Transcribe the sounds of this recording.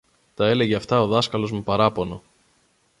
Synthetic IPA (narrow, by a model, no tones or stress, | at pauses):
t̪ɐe̞le̞ʝeɐft̪ɐo̞ðɐskɐlo̞zmupɐɾɐpo̞no̞